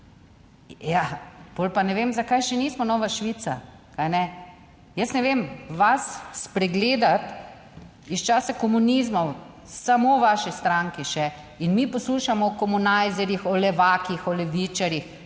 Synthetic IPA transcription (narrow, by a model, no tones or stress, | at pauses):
japoːlpanɛʋeːmzakajʃɛniːsmɔnɔːʋaʃʋit̪sa̰kajnɛ | jəsnɛʋemʋasːpɾɛɡleːd̪at̪ | ist͡ʃaːsakɔmuniːzmɔw | samoʋaʃist̪ɾaŋkiʃɛ | inmipɔsluːʃamɔkɔmunajzɛɾjixɔlɛʋaːkixɔlɛʋiːt͡ʃaɾjix